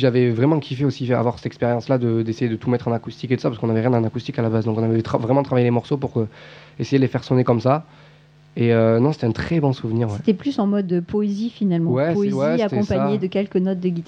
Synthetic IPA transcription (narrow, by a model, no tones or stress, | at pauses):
ʒavɛvʁɛmɑ̃kʲʰifɛosia̰vwaʁsɛ̥t̪ɛkspeʁjɑ̃slad̪əd̪esejed̪ət̪umɛt̪χɑ̃nakust̪iket̪usapaʁskɔ̃navɛʁjɛ̃d̪ɑ̃naʁkust̪ikalabazd̪ɔ̃kɔ̃navɛt̪χavʁɛmɑ̃dt̪χavajelemɔʁsopuʁø | esejed̪əlefɛʁsɔnekɔmsa | eønɔ̃se̥t̪ɛɛ̃t̪χɛbɔ̃suvniʁwɛe̥t̪ɛplysɑ̃mɔd̪poezifinalmɑ̃wɛswɛseat̪ɛkɔ̃spaɲed̪əkʲɛlkənɔt̪̚d̪əɡʲit̪